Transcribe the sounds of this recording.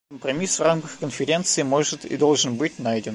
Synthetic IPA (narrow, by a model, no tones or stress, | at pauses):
əmpɾɐmʲisvramkəxkənfʲɪɾʲe̞nt̪sɨɪmo̞ʐɨt̪ɪ̰d̪o̞lˠʐɨnbɨt̚ʲnajdʲɪn